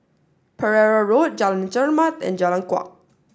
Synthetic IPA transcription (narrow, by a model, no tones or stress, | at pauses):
pʰəɹɛɹaɹot̚d͡ʒalãnt͡ʃəɹmãt̪ɛ̰̃nd͡ʒalãnkwa̰k̚